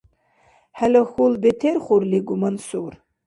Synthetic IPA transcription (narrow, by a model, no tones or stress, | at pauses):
ħalaxulbetʰerχʷʊrliɡʷʊmansur